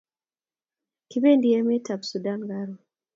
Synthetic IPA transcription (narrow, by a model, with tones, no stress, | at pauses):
ki˦be˦ndi˨ɛ˦me˦ta˨bsu˨da˦nɡa˦ɾo˨